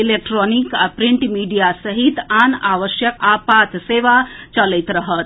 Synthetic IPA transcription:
ilek̚ʈɾonikapɾiɳʈmiɖijasəɦit̪anaʋəʃjəkapat̪seʋat͡ʃələjt̪ɾəɦət̪

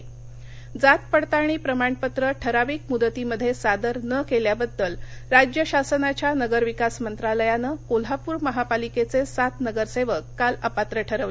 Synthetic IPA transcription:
d͡zat̪̚pəɽt̪aɽ̃iːpɾəmaɳpət̪ɾəʈʰəɾaʋiːkmud̪ət̪iməd̪ʱːjesad̪əɾnəkeljabəd̪ːəlɾad͡ʑjəɕasənat͡ɕjanəɡəɾʋikasmənt̪ɾaləjanəkol̤apuːɾməɦapaliket͡sesat̪nəɡəɾseʋəkːaləpat̪ɾəʈʰəɾəʋle

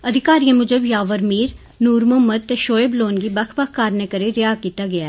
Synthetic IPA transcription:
ɐd̪ʱɪkaːɾijə̃mʊd͡ʒəbjaːʋəɾmiːɾ | nuːɾmoməd̪̚t̪eʃoːebloːnɡibɐkʰbəkʰkaːɾnekəɾeɾɪjaːkiːt̪aɡɐjaː

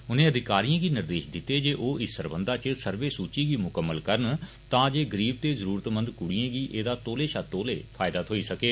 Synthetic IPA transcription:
ʊnẽːəd̪ɪkaːɾijãːɡiːnɪɾd̪eːʃd̪ɪt̪ːeːd͡ʒeːʔoːʔɪsəɾbənd̪aːt͡ʃəsəɾʋeːsuːt͡ʃiːɡiːmʊkəmːəlkəɾn | t̪ãːd͡ʒeːɡəɾiːb̚t̪eːzəɾuːɾət̪mə̃nd̪kʊɽiãːɡiːʔeːd̪aːt̪oːleːʃaːt̪oːlḛːpʰaːɪd̪aːt̪ʰɦoːiːsəkeː

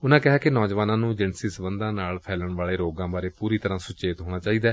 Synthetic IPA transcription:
ʊnãːkɪɦaːkɪnɔːd͡ʒʋaːnãːnũːd͡ʒɪnsɪsbənd̪ãːnaːlpʰɛːləɳʋaːɭeːɾoːɡãːbaːɾeːpuːɾiːt̪əɾãːsʊt͡ʃeːt̪ɦoːɽ̃aːt͡ʃaːiːd̪aː

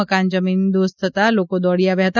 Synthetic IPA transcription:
əkãnd͡ʑəmiːnd̪ost̪ʰət̪alokod̪ɔɽijaʋjat̪

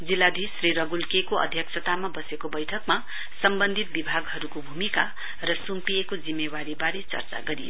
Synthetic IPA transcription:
d͡zilːad̪ʱisriɾʌɡulkekoʌ̰d̪ʱjʌksʰʌt̪amabʌsekobʌjʈʰʌkma | sʌmbʌnd̪ʱit̪̚bibʱaɡɦʌɾukobʱumika | rʌsumpiekod͡zimːewaɾibaɾet͡sʌ̰rt͡sa̰ɡʌɾḭ

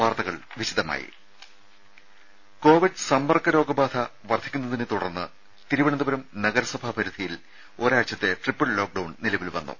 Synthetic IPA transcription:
ʋaːrt̪ɐɣɐɭʋiɕid̪ɐma̰ːjḭ | ko̞ːʋiɖɨsɐmbɐrkːɐɾo̞ːɡɐbaːd̪ʱʰɐʋɐrd̪ʰʱikʲːunːɐðinɨt̪uɽɐrnːɨ | t̪iɾuʋɐɳɐnd̪ɐbɐɾɐmnɐɣɐɾɐsɐbʱabʱɐɾud̪ʱijil | o̞ːɾaːt͡ɕːɐt̪ːe̞ʈripːɐɭlo̞ːk̚ɖɐwɳnilɐʋilʋɐ̰nːṵ

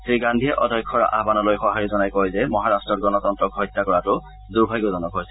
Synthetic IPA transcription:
siɡandʱiɛʔɔdʱɔjkʰːɔɹa̰ʔa̰banɔlojxɔɦaɹizɔnajkojzɛmɔɦaɹastɹɔt̚ɡɔnɔtɔntɹɔkɦɔjtːakɔɹatʊ | duɹbʱajɡɔzɔnɔkɦojsɛ

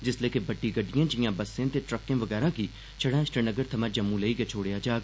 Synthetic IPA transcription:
d͡ʒɪsleːkebɐʈːiɡɐɖːijãːd͡ʒɪjãːbɐsẽt̪eʈɾəkːẽːʋɐɡɛːɾãkiː | t͡ʃʰɐɽãːʃʈənəɡəɾt̪ʰɐmãd͡ʒɐmːũleiɡet͡ʃʰoːɽejad͡ʒaːɡ

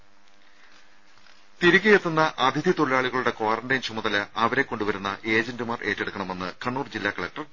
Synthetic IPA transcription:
t̪iɾuɣʲːɐjet̪ːunːɐʔɐd̪ʱid̪ʱjit̪oɭilaːɭiɣɐɭuɽe̞kwaːrɐɳɖɐjnt͡ɕʰumɐðɐlɨɐʋɐɾe̞kːo̞ɳɖuʋɐɾunːɐʔe̞ːd͡ʑɐndɨmaːrʔe̞ːtːeɽukːɐɳɐme̞nːɨkɐɳːuːrd͡ʑilːaːkɐɭɐk̚ʈɐr

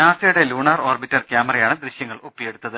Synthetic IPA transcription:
aːsɐjuɽe̞luːɳaːro̞ːrbitːɐrkʲjaːmɐrɐjaːɳɨd̪ɾiɕjɐŋːɐɭupːijeɽut̪ːɐðɨ

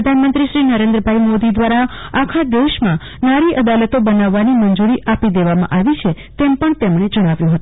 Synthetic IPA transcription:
ɾəd̪ʱanmənt̪ɾiʃɾinəɾẽnd̪ɾəbʱaimod̪id̪ʋaɾaakʰad̪eʃmã | naɾiʔəd̪alət̪obənaʋːanimənd͡ʒuɾiʔapid̪eʋamã̰ʔaʋit͡ʃʰe | t̪empəɳt̪emɳed͡ʒəɽ̃aʋjũɦət̪ũ

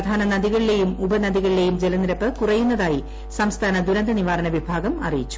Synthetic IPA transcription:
d̪ʱaːnɐnɐðiɣɐɭile̞jumubɐnɐðiɣɐɭile̞jumd͡ʑelɐnɾɐpːɨkurɐjunːɐðaːji | sɐmst̪ʰaːnɐd̪uɾɐnd̪ɐniʋaːɾɐnɐʋibʱaːɡɐmɐ̰rijit͡ɕːu̥

